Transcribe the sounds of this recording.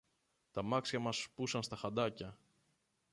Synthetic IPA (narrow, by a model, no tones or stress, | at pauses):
t̪ɐmɐksçɐmɐspusɐnst̪ɐxɐd̪ɐcɐ